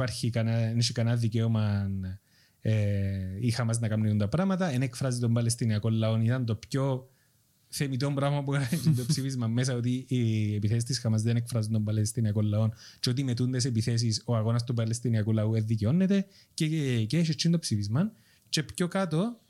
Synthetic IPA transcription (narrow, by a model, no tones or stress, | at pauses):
paɾçikɐnɐneʃikɐnɐðiceomɐn | eixɐmɐznɐkɐmniθunt̪ɐpɾɐmɐt̪ɐenekfɾɐzit̪o̞mbɐlest̪iniɐko̞lːɐo̞nit̪ɐnt̪o̞pço̞ | θe̞mit̪ombɾɐvmɐpuɣɐɾɐnit͡ʃːind̪opsifizmɐmːes̬ɐot̪iːepiθesist̪isxɐmɐzðenekfɾɐzind̪o̞mbɐlest̪iniɐko̞lːɐo̞nt͡ʃeo̞t̪̬imet̪und̪es̬epiθe̞s̬isoɐɣo̞nɐst̪upɐlest̪iniɐkulɐueðːiceo̞nːet̪e̞ | ceceʃ̬it͡ʃːind̪opsifizmɐn | t͡ʃe̞pçokɐt̪o̞